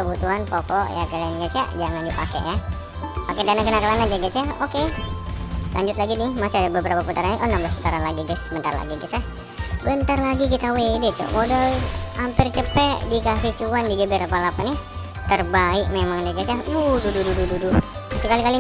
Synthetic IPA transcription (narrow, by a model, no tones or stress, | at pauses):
əbut̪uɦanpɔkɔʔja̰kalianɡat͡ʃa̰ʔd͡ʒaŋandipakḛʔja | pakɛdanakənakalanad͡ʒaɡat͡ʃaoke | lʔa̰ɲd͡ʒʊt̪̚laɡinɪhmasiadabəbəɾapaput̪aɾaniʔunamblaspu̥t̪aɾanlaɡiɡɛsbənt̪a̰rla̰ɡiɡit̪sa | bənt̪arlaɡikit̪awedɛt͡ʃo̰modalampɪrt͡ʃəpɛʔdikasit͡ʃuandiɡəbeɾapalapanɪ | t̪ərbaɪk̚memaŋdɛɡat͡ʃauhdudududududu | asikalikali